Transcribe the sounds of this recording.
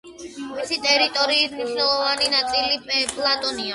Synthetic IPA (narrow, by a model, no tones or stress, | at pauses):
misit̪ʼɛɾit̪ʼɔɾiːsniʃnɛlˠɔvaninat̪sʼilipʼlˠat̪ʼɔnia